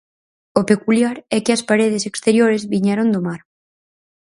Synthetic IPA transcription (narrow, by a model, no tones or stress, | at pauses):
ʊpekuljaɾɛkɪɐspaɾeð̞esekst̪eɾjoɾezβiɲɛɾond̪omaɾ